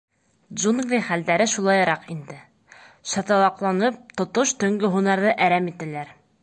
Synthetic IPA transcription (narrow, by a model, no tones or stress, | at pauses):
ʒuɴɡlʲiχæld̪æɾɘʃulˠɑjɤ̆ɾɑqind̪ɘ | ʃɑt̪ɑlˠɑqlˠɑnɤp̚t̪ŏt̪oʃt̪ɵ̆ŋɡɵɦunɑɾðɤʔæɾæmit̪ælæɾ